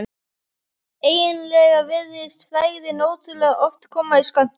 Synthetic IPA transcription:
eːjɪnlɛɣavɪðɪst̪fɾaːjɣðɪnoːwt̪ʏɾlɛɣaʔɔft̪kʰɔːmaiskœn̥t̪

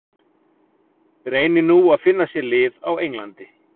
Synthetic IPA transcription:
ɾeːjnɪnuaðfɪnːasjɛlɪːðawejŋlant̪ɪ

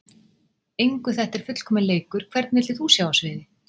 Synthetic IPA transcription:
ejŋkʏθɛht̪ɛɾ̥fʏt̪l̥kʰɔːmɪnleːjkʏɾ̥kʰvɛɾt̪nvɪt̪lɪθusjawasvɪːðɪ

